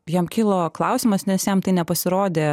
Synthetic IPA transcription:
jiɛmkʲɪlˠoːklˠɐʊsʲɪmɐsnʲɛsjɛmt̪ɐɪnʲɛpɐsʲɪɾoːd̪ʲeː

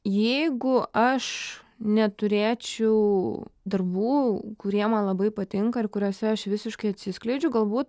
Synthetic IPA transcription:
jɛɪɡʊʔɐʃ | nʲɛt̪ʊɾʲeːt͡ʃʲɛʊd̪ɐrbuːkʊɾʲiɛmɐnlˠɐbɐɪpɐt̪ʲɪŋkɐɪrkʊɾʲuːsʲɛɐʃʋʲɪsʲɪʃkɐɪɐt̪ʲsʲɪsklʲɛɪd͡ʒʲʊɡɐlˠbuːt̪̚

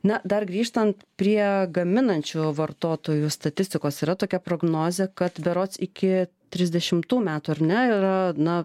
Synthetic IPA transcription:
nɐd̪ɐrɡɾʲiːʃt̪ɐnt̪pʲɾʲiɛɡɐmʲɪnɐnʲt͡ʃʲuʋɐrt̪oːt̪oːjust̪ɐt̪ʲɪsʲt̪ʲɪkoːsiːɾɐt̪oːkʲɛpɾoːɡnoːzʲekɐt̪bʲɛɾoːt̪sɪkʲɪ | t̪ʲɾʲɪzʲd̪ʲɛʃʲɪmt̪uːmʲæːt̪uːɐɾnʲɛiɾɐnɐ

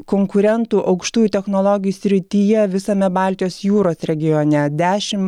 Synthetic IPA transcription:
koːŋkʊɾʲɛnt̪uːʔɐʊkʃt̪uːjut̪ʲɛxnoːlˠoɡʲɪjuːsʲɾʲɪt̪ʲiːjɛʋʲɪsɐmʲɛbɑːˑlʲt̪ʲɪjoːsjuːɾoːsɾʲɛɡʲɪjonʲɛd̪ʲæːʃʲɪm

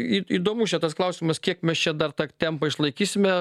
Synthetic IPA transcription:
iiːd̪oːmuːʃʲɛt̪ɐsklˠɐʊsʲɪmɐskʲiɛkmʲɛst͡ʃʲɛd̪ɐrt̪ɑːt̪ʲɛmpɐɪʃlˠɐɪkʲiːsʲɪmʲɛ

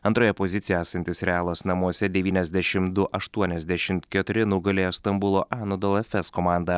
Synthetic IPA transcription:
ɐnt̪ɾoːjɛpɔzʲɪt̪sʲɪjɛæːsɐnʲt̪ʲɪsɾʲɛaːlˠɐsnɐmuɔsʲɛd̪ʲɛʋʲiːnʲɛzʲd̪ʲæʃʲɪmd̪ʊʔɐʃt̪uɔnʲɛzʲd̪ʲæʃʲɪmt̪kʲɛt̪ʊɾʲɪnʊɡɐlʲeːjost̪ɐmbʊlˠoːʔɑːnod̪ɔlˠɐfʲɛskɔmɑːˑnd̪ɐ

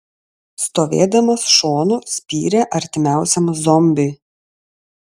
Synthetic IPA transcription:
st̪oːʋʲḛːd̪ɐmɐsʃoːnuːsʲpʲḭːɾʲeʔɐɾʲt̪ʲɪmʲæˑʊsʲɛmzɔmʲbʲɪː

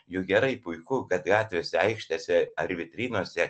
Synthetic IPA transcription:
jʊɡʲɛɾɐɪpʊɪkʊkɐt̪ɡɑːt̪ʲʋʲeːsʲɛɛɪkʃʲt̪ʲɛsʲɛɐɾʲʋʲɪt̪ʲɾʲiːnuɔsʲɛ

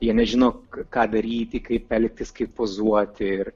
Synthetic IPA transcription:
jiɛnʲɛʒʲɪnoːkɑːd̪ɐɾʲiːt̪ʲɪkɐɪpʲːɛlʲk̚t̪ʲɪskɐɪppoːzuɔt̪ʲɪɪr

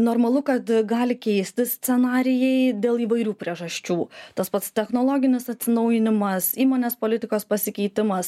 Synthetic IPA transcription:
noːɾmɐlˠʊkɐt̪ɡɑːlʲɪkʲɛɪsʲt̪ʲɪsʲt͡s̪ʲɛnɑːɾʲɪjɛɪd̪ʲeːlˠiːʋɐɪɾʲuːpʲɾʲiɛʒɐʃʲt͡ʃʲuːt̪ɐspɐt̪st̪ʲɛxnoːlˠoːɡʲɪnʲɪsɐt̪ʲsʲɪnɐʊjɪnʲɪmɐsiːmoːnʲeːspoːlʲɪt̪ʲɪkoːspɐsʲɪkʲɛɪt̪ʲɪmɐs

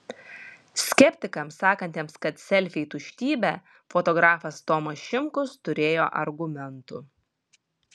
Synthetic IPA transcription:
sʲkʲɛpʲt̪ʲɪkɐmsɑːkɐnʲt̪ʲeːmskɐt̪sʲɛlʲfʲɛɪt̪ʊʃʲt̪ʲiːbʲɛ | fɔt̪ɔɡɾɑːfɐst̪ɔmɐsʃʲɪmkʊst̪ʊɾʲeːjoːʔɐɾɡʊmʲɛnt̪ʊ̰

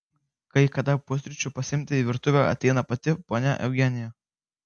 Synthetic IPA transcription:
kɐɪkɐd̪ɐpuɔsʲɾʲɪt͡ʃʲʊpɐsʲɪɪmʲt̪ʲɪiʋʲɪɾt̪ʊʋʲɛɐ̰t̪ʲɛɪnɐpɐt̪ʲɪpoːnʲɛ̰ʔɛ̰ʊɡʲɛnʲɪjɛ

